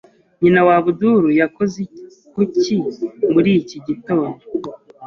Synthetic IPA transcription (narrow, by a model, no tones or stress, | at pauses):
ɲinawaβuduɾujako̞ze | kucimuɾiːciɟito̞ːndo